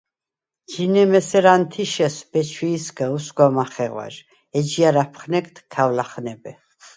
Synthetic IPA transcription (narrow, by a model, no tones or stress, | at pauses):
d͡ʒinɛmɛsɛɾant̪ʰiʃɛsb̥ɛt͡ʃʰwiːsɡausɡwamaχɛʁwa̰ɾ | ɛd͡ʒiaɾapʰχnɛkt̪ʰkʰavlaχnɛbɛ